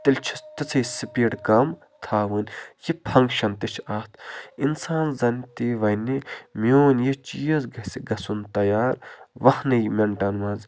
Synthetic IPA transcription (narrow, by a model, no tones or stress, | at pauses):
t̪ilʲt͡ʃʰi̥st̪it͡sʰɐisipiːɽkɐm | t̪ʰaːʋɨnʲjipʰɐŋkʃɐnt̪it͡ʃʰaːt̪ʰinsaːnzɐnt̪iʋɐjnimioːnjit͡ʃiːjɐzɡɐsiɡɐsunt̪ɐjaːɾʋɐhnɨjmeɳʈɐnmɐnz